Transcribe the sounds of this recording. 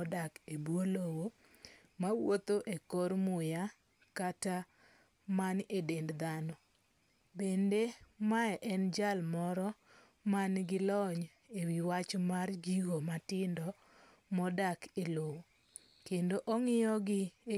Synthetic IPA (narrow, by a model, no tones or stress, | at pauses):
dakebwolowo | mawot̪oʔekoɾmʊja | kata | manedendd̪anɔ | bendemaɛʔɛnd͡ʒalmɔɾɔ | manɡɪlɔɲ | ewiwat͡ʃmard͡ʒiɡomatɪndɔ | mɔdakelowo | kendoʔɔŋɪjɔɡɪ